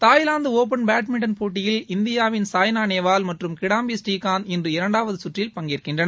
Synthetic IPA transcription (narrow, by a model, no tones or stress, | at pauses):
t̪aːjlaːnd̪ɯoːp̬ɐnbaːʈmɪʈːɐnpoːʈːɪjɪlɪnd̪ɪjaːʋɪnsaːjnaːneːʋaːlmɐʈrɯmkɪɽaːmbisʈiːkːaːnɪndrɯɪɾɐɳɖaːʋɐðɯsʊʈrɪlpɐŋɡɪɾɯkːɪndrɐnɐ